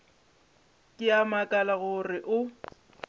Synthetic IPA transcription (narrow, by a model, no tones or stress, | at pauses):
kʼɪamakʼalaɣʊrɪʔʊ